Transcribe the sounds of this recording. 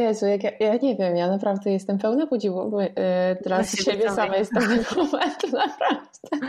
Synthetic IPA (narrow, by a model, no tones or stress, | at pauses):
jɛzujakjajaɲɛvʲjɛmjanapɾavd̪ɛjɛst̪ɛmpɛwnakɔd͡ʑivɔbɔt̪ɾasɕɕebʲjɛssamajɛst̪̚ɛnɛkumɛnt̪napɾavd̪ɛ